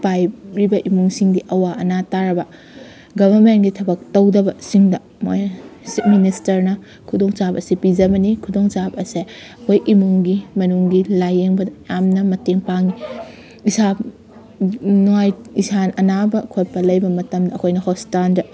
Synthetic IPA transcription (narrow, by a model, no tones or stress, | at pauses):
pajɾibɐʔimuŋsiŋdiʔɐwaɐnataɾɐbɐ | ɡɐbʱɐɾmenɡitʰɐbɐk̚tɐwdɐbɐsiŋdɐ | mojsit̚ministɐɾnɐ | kʰudoŋt͡ʃabɐsipid͡ʒɐbɐnikʰudoŋsabɐsekʰojʔimuŋɡimɐnuŋɡilajeŋbɐdɐjamnɐmɐteŋpaŋi | isa | nuajisanɐnabɐkʰot̚pɐlɐjbɐmɐtɐmdɐːkʰojnɐhostandɐ